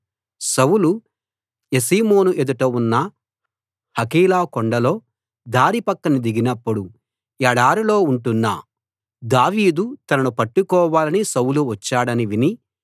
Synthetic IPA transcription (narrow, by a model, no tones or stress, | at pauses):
sɐwulu | esiːmo̞ːnuʔed̪uʈɐunːɐ | hɐkiːlaːkoɳɖɐlo̞ː | d̪ʱaːɾipɐkːɐnid̪iɡinɐpːuɽu | ɛɽaːɾilo̞ːuɳʈunːa̰ː | d̪aːʋiːd̪ut̪ɐnɐnupɐʈːukɔːʋaːlɐnisɐwuluʋɐt͡ʃːaːɽɐniʋini